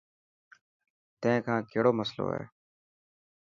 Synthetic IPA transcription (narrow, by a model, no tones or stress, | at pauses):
t̪ẽkʰãːkeːɽoːməslo̰ːɦɛ̰ː